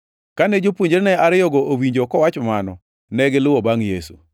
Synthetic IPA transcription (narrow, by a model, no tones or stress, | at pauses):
kanɛd͡ʒopwoɲd͡ʒeɾnɛaɾɪjɔɡɔʔowiɲd͡ʒokɔwat͡ʃɔmanɔ̰ | nɛɡɪlʊwɔbaŋjesṵ